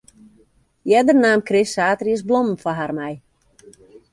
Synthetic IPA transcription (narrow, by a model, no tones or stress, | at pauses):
jɛdərnaːmkrɪsaːtəriəsblomn̩faɦarmɛj